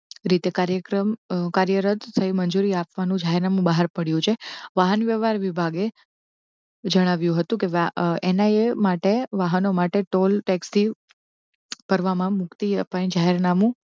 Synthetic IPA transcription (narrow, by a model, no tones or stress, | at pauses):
ɾit̪ekaɾjəkɾəmkaɾjəɾət̪səɦimənd͡ʒuɾiapʋanũd͡ʒaɦeɾnamũbaɦaɾpəɽjũt͡ʃʰeʋaɦənʋjəʋaɾʋibʱaɡe | d͡ʒəɽ̃aʋjũɦət̪ũkeʋaenaemaʈeʋaɦənomaʈeʈolʈɛkst̪ʰi | pəɾʋamãmʊkt̪iəpʋanĩd͡ʒaɦeɾnamũ